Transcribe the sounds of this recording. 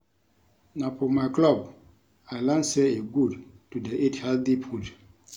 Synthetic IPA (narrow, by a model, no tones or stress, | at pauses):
napɔmaklɔb | aɪlãnseeɡud | tudeʔethɛldipʰud